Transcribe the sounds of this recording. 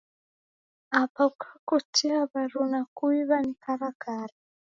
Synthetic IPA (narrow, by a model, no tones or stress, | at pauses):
apakʰakutiaβaɾunakuiβanikʰaɾakaɾa